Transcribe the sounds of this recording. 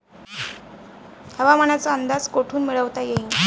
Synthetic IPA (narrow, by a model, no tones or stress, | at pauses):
həʋaməɳat͡səənd̪ad͡zkoʈʰuːnmiɭəʋt̪ajeɦiŋɡ